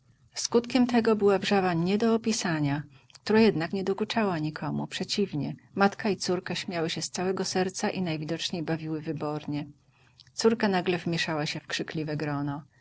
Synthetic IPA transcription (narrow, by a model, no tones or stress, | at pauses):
skut̪kʲɛmt̪ɛɡɔbɘwabʐavaɲɛd̪ɔːpʲisaɲa | k̚t̪uɾajɛd̪nakɲɛd̪ɔkut͡ʂawaɲikʰɔmṵpʂɛt͡ɕivɲɛmat̪kait̪suɾkaɕmʲjawɘɕɛst̪sawɛɡɔsɛɾt̪saʔinajvʲid̪ɔt͡ʂɲejbavʲiwɘvɘbɔɾɲɛ | t̪suɾkanaɡlɛvmʲjɛʂawaɕɛfkʂɘklʲivɛɡɾɔnɔ